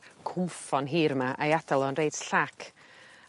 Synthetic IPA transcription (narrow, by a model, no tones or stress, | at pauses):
kʰʊmfɔnɦiːɾmaʔajadalˠɔnrejd̥sɬakʰ